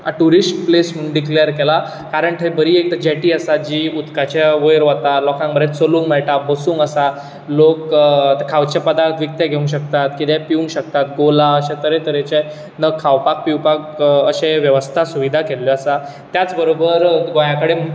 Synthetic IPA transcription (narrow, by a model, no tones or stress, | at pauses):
aʈuɾisʈ̚plesmuɳɖiklejəɾkela | kaɾəɳʈ̪ʰebəɾiːek̚t̪əd͡ʑɛʈiːəsad͡ʑiːut̪kat͡ɕaʋojɾʋat̪alɔkãŋɡbəɾet̪t͡solũːŋɡmɛɭʈabəsuːŋɡəsa | lokt̪əkʰaʋt͡ɕapəd̪aɾt̪ʰʋik̚t̪aɡʱeũŋɕ̬ək̚t̪at̪kit̪ɛ̃piũŋɡɕək̚t̪at̪̚ɡolaəɕat̪əɾet̪əɾet͡ɕe | nəkʰːawpak̚piwpakəɕẽʋjəʋəst̪ʰasuʋid̪ʱakeljɔəsa | t̪jat͡sbəɾobəɾɡojakəɽem